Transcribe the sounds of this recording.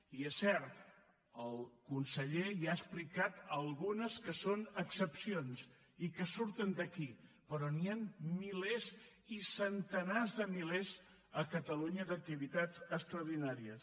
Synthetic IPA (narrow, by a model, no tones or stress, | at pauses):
iesːɛɾt̪ | əlˠkunsəʎejaəsplikat̪əlˠɣunəskəsonəksəpsions | ikəsuɾt̪ənd̪əkipəɾɔnianmilez | isənt̪ənazðəmilez | əkət̪əluɲəd̪ək̚t̪iβit̪azəst̪ɾəwðinaɾiəs